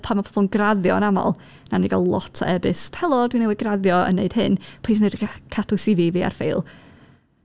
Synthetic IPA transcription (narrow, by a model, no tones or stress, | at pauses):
pʰamapʰɔb̥ɔlˠnɡraðjɔənamɔ̰lˠ | naniɡalˠlˠɔ̰tʰɛbɨstʰɛlˠɔdwinɛwɪɡraðjɔə̰nːeɨd̥hɨnpʰl̥iːsnedkʰatʰʊsivivia̰rfejlˠ